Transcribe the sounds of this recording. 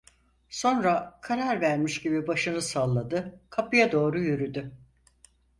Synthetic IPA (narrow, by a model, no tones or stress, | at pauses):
so̞nɾakʰaɾaɾvæɾmiʃɟibibaʃɯnɯsalˠːad̪ɯkʰapɯjad̪o̞ːɾujyɾyd̪y